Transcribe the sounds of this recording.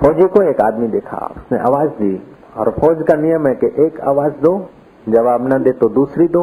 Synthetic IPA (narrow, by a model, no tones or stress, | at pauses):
fɔːd͡ʒekoeːkaːd̪mid̪eːkʰa̰ʊsnḛ̃ʔa̰ːʋaːzd̪iː | ɔːɾfɔːd͡ʒkãnijəmẽkeʔeːka̰ːʋaːzd̪oː | d͡ʒɐʋaːbnɐd̪eːt̪od̪uːsɾid̪o